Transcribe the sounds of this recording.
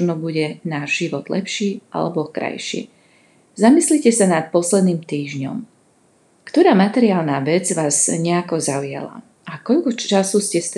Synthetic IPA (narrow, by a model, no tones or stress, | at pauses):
nɔbuɟɛnaːʒʒiʋɔd̪̥lɛ̰pʃiːʔa̰lɛ̰bɔkɾa̰jʃḭː | zamislicɛsanat̪̚pɔslɛd̪niːmt̪iːʒɲɔ̰m | kt̪ɔɾaːmat̪ɛɾɪaːlnaːʋɛd͡zʋaːzɲɛakɔzalɪɛ̰la̰ | ʔakɔʎkɔasuscɛst̪